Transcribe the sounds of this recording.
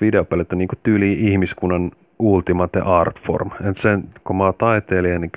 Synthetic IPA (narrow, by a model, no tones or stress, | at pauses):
ʋideopelet̪ːæniːŋkot̪yːliːʔihmiskunːɑn | ult̪imɑt̪ḛʔɑrt̪fo̰rment̪senkomɑːt̪ɑit̪eːliɑni